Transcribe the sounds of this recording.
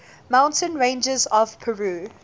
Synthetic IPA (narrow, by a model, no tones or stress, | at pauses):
mãʊ̃ntʰə̃nɹẽɪ̃nd͡ʒəzɔv̥pʰəɹuː